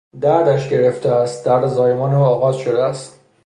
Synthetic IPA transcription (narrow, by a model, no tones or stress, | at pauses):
d̪æɾd̪æʃɟe̞ɾeft̪ʰeæst̪̚d̪æɾd̪zɒːjemɒːneoɒːɣɒːzʃod̪eæst̪